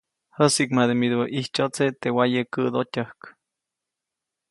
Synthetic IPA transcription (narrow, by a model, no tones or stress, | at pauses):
həsikmad̪emid̪oʔiht͡ʃot͡set̪ewajəkəd̪ot̪ʲahk